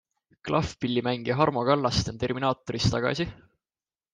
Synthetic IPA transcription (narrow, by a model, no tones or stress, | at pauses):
klʔɑfpilʲːimæŋɡ̥iɦɑrmo̞ɡ̥ɑlːɑst̪ent̪e̞rminɑːt̪ːˑoɾist̪ɑɡ̥ɑ̰si